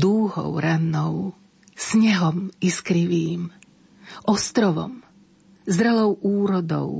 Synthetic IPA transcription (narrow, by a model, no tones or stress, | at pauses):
d̪uːɦɔ̰ʊɾanːɔʊ | sɲɛɦɔmiskɾiʋiːm | ʔɔst̪ɾɔʋɔ̰m | zd̪ɾɛlɔʊʔuːɾɔd̪ɔ̰ʊ